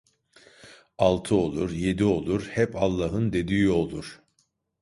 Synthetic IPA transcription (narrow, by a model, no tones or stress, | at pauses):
alˠt̪ʰɯo̞lˠuɾje̞d̪io̞lˠuɾhɛpalˠːaːɦɯnd̪e̞d̪iːio̞lˠuɾ̥